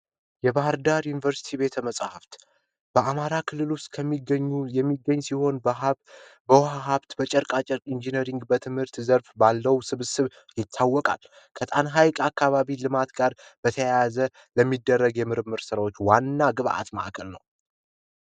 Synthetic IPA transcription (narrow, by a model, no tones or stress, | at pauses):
jɛbahɨɾd̪aɾjunivəɾsi̥t̪ʰibe̞t̪ʰəməsʼahaft̪ | b̥əamaɾakʰɨlːɨlust̪kʰəmːiɡəɲːujɛmːiɡːəɲːsiho̞n | bəwɦaɦaβt̪bət͡ʃʼəɾkʼat͡ʃʼɛɾkʼind͡ʒineɾiŋɡbət̪ʰɨmhɨɾt̪zəɾfbalːəwsɨβsɨβ | jɪt̪ʰːawːɔkʼa̰l | kʰət̪ʼanɦajkʼakːaβaβilɨmat̪ɡaɾb̥ət̪ʰəjajazə | ləmːid̪ːərːəɡjɛmɨɾɨmːɨɾsɨɾawo̞t͡ʃːwanːaɡɨβa̰ʔa̰t̪ma̰ʔkʼʰəlnə̰w